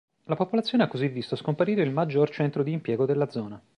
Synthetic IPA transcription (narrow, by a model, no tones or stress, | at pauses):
lapopolat̪sːjoːneakːozivːist̪oskompaɾiːɾeilmad͡ʒːort͡ʃɛnt̪ɾod̪iːmpjɛːɡod̪elːad̪zɔːna